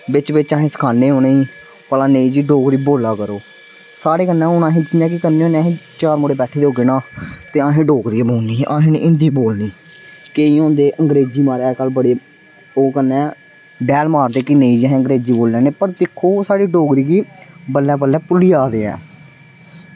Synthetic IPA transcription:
ʋɪt͡ʃʋɪt͡ʃãːɦẽːsə̥kʰaːneːɦoːneːiː | pəlãːneĩːd͡ʒiːɖoːɡɾiːboːlaːkəɾoː | saːɽeːkənːɛ̃ːʊnãːɦẽːt͡ʃɪnãːk̬ɪkəneːõːneãɦẽːt͡ʃaːɾmoːɽeːbɛːʈʰeːd̪eɦoːɡeːnãːt̪eːãːɦẽːɖoːɡɾiːboːniːʔaːɦẽːnḭːʔɪ̃nd̪iːboːlniː | keiːõːnd̪eːʔəŋɡɾeːd͡ʒiːmaːɾɛːkəːlbəɽeː | oːkənːɛ̃ː | ɖɛːlmaːɾd̪eːkɪnẽĩːd͡ʒeɦɛ̃ːəŋɡɾeːd͡ʒiːboːllɛːneːpəɾd̪ɪkʰːoːsaːɽiːɖoːɡɾiːɡiːbəlːɛːbəlɛːpʊliːaːɾeːɛ̰ː

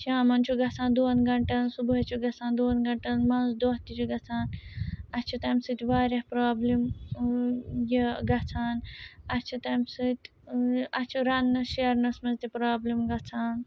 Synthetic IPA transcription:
t͡ʃʰaːmɐnt͡ʃʰuɡɐt͡sʰãːnd̪uːnɡɐɳʈɐnsubuɦɐt͡ʃʰuɡɐt͡sʰaːnd̪oːnɡɐɳʈɐnmɐnzd̪oːɦt̪it͡ʃʰuɡɐt͡sʰaːnɐt͡ʃʰit̪ɐmsɨt̪ʲʋaːɾʲɐhpɾaːblim | jiɡɐt͡sʰaːnɐt͡ʃʰit̪ɐmsɨt̪ʲ | ɐt͡ʃʰuɾɐnːɐʃiɐɾnɐsmɐnzʲt̪ipɾaːblimɡɐt͡sʰaːn

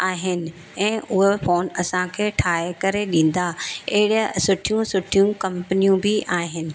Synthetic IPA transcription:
aːɦɪnɪ̆ | ɛ̃ːʊɦefoːnɐsãkʰeːʈʰaːekɐɾeɗĩːn̆d̪aɐɦɪɽsʊʈʰijũsʊʈʰijũkɐ̃mpənijũbɪʔaːɦɪnɪ̆

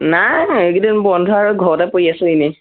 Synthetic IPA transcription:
naeɡidinbɔndʱɔaɹuɡʱɔɹɔtapoɹiasɛinɛ

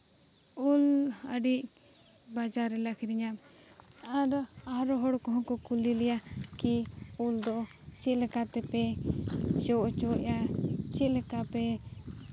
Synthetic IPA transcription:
ulə̰ɖiʔ | bad͡ʒaɾɛlakʰiɾiɲam | aɾ | aɦɾɔɦɔɽkɔɦɔ̃kɔkulilɛjakiuld̪ɔ | t͡ʃɛlɛkat̪ɛpɛ | d͡ʒɔʔt͡ʃɔjat͡ʃɛlɛkapɛ

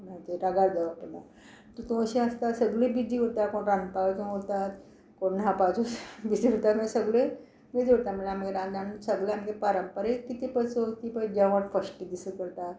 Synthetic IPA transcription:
nat̪eɾaɡaɽd̪aʋəɾpəna | t̪ut̪uəɕĩəst̪asəɡɭibid̪ʱiːɦot̪akoɳɾãnpaʋkũɦot̪at̪ | koɳːɦapat͡susbid̪ʱiɦot̪at̪məɡesəɡɭe | med͡zɦot̪amilaməɡeɾãnãnsəɡleaməɡepaɾəmpəɾekit̪ipət͡sot̪ipəd͡ʑjãʋaʈfəsʈid̪isəkəɾt̪at̪

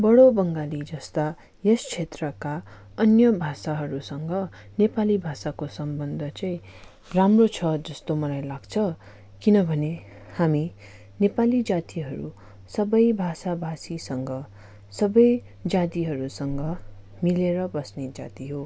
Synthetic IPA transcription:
bʌɽobʌŋɡalid͡zʌst̪a | jest͡sʰet̪rʌka | ʌnjʌbʱasaɦʌɾusʌŋɡʌnepalibʱasakosʌmbʌnd̪ʱʌt͡sʌ̃ĩ | ramrot͡sʰʌd͡zʌst̪omʌlajlaɡt͡sʰʌ | kinʌbʱʌne | hami | nepalid͡zat̪iɦʌɾṵ | sʌbʌjbʱasabʱasisʌŋɡʌ | sʌbʌj | d͡zat̪iɦʌɾusʌŋɡʌ | mileɾʌbʌsned͡za̰t̪iɦo

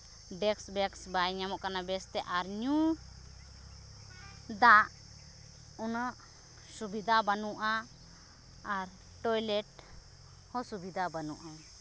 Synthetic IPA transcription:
ɖɛksbɛksbajɲamɔʔkanabɛst̪ɛʔaɾɲu | d̪aʔ | unəʔ | subid̪ʱabanuʔa | ɾ | ʈɔjlɛʈ | hɔsubid̪ʱabanuʔa

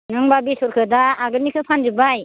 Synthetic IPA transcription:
nɯŋbabisɔɾkʰɯdaːɡɯɾnikʰɯpʰanzɯbaj

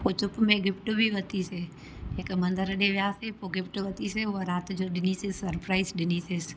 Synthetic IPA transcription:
pot͡ʃʊpmẽɡɪpʈobʱiʋət̪ise | ekemɐ̃nd̪əɾɖeʋjaːsepoɡɪpʈoʋɐt̪iseʋəɾaːt̪d͡ʒoɖɪnisɪsːɐɾpɾaːɪsɖɪniːsɪs

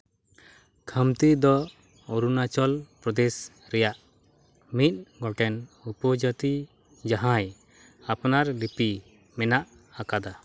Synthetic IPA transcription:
kʰəmt̪id̪ɔ | ɔɾunat͡ʃɔlpɾɔd̪ɛs | ɾɛjaʔ | mit̪̚ˀɡɔʈɛnupɔd͡ʒɔt̪i | d͡ʒaɦãj | apnaɾlipi | mɛnaʔ | akad̪a

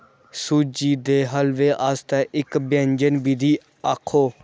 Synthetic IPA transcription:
suːd͡ʒiːd̪eːɦəlʋeːʔaːst̪ɛ̃ːʔɪkbə̃ɲd͡ʒənbid̪iː | aːkʰoː

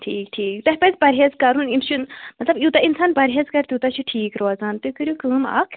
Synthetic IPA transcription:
ʈʰiːkʈʰiːkt̪ɐɦʲpɐzpɐɾʲɦeːzkɐɾuːnimʃʰunmɐt̪lɐbjut̪ainsaːnpɐɾʲɦeːzkɐɾt̪juːt̪at͡ʃʰuʈʰiːkɾoːzaːnt̪ɨkɨɾʲjukɨːmɐ̰kʰ

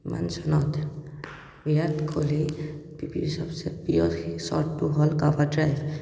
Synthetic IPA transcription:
ima̰nsɔnɔt̪ | bijatkʰolipipḭɹsɔbsɛpiɔsɔ̰ɹtːuɦɔlkabadɹajb

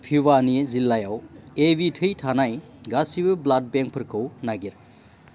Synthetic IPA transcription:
pʰibanizilːajawebitʰɯjtʰanaj | ɡasibɯblad̚beŋk̚pʰɯɾkʰɯwnaɡiɾ

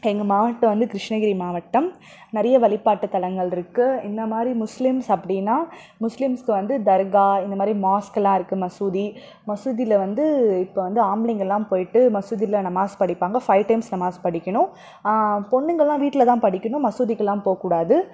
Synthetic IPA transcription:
ɛŋɡɐmaːʋɐʈːɐ̃ʋɐnd̪ɯt̪ɪɾɪʂnɐɣɪɾimaːʋɐʈːɐm | nɛɾɐjɐʋɐɭɪpːaːʈːɯt̪ːɐlɐŋɡɐɭɪɾɯkːɯɪnd̪ɐmaːd̪ɾimʊslɪmsɐpːɐɽɪjnːaː | mʊslɪmskɯʋɐnd̪ɯd̪ɐɾɣaːɪnd̪ɐmaːd̪ɾimaːskɛlːãːɪɾɯkːɯmɐsuːði | mɐsuːðilɐʋɐnd̪ɯɪpːoːʋɐnd̪ɯaːmɪlɪŋɡɐɭɛlːãːmpoːjɪʈːɯmɐsuːðɪlɐnɐmaːspɐɽɪpːaːŋɡɐfɐɪʋʈɐɪmsnɐmaːspɐɽɪkʲːɐɳʊ̃ | pɔɳːɯŋɡɐɭlãːʋiːʈːɪlɐt̪ãːpɐɽɪkʲːɐɳʊ̃mɐsuːðɪkːɯɛlːãːmpoːɐkːuːɽaːðɯ

